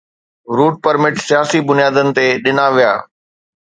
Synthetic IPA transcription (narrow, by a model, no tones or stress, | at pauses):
ɾuːʈ̚pəɾmɪʈsijaːsibʊnijaːd̪ənɪ̆t̪eɗɪnaʋija̰ː